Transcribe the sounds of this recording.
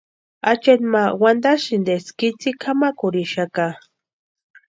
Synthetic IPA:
at͡ʃenmawand̪aʃind̪eskit͡sikʰamakʊɾiʃaka

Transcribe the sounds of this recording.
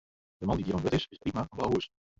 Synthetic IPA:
d̥əmɑndidiɾɑ̃nʋɛtɪsɪsprimabaɦuəs

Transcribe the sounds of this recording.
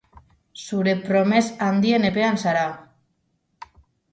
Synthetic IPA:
suɾe̞pɾo̞me̞sand̪ie̞ne̞pe̞ansaɾa

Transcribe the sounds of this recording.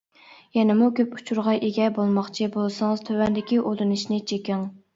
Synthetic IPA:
jɛnɪmukʲøpu̥t͡ʃʰuɾʁɑʔeɡʲɛbolˠmɑχt͡ʃʰibolˠsɑŋɨz̥t̪ʰøwɛnd̪ɪkʲiʔod̪ɨnɨʃnɪt͡ʃʰekʲɪŋ

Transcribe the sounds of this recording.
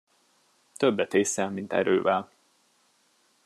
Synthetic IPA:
t̪øbːɛt̪eːsɛlmint̪ɛ̰ɾø̰ːvɛl

